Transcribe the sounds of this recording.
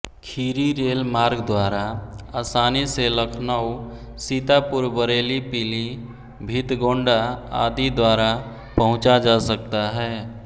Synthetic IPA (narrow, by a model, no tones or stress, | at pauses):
kʰiːɾiɾeːlmaːɾɡd̪waːɾaaːsaːniseləkʰnau | sit̪apʊɾbəɾeːlipili | bʱit̪ɡõːɳɖaa̰d̪id̪waːɾa | pəɦʊ̃t͡ʃad͡ʒasək̚t̪aɦɛː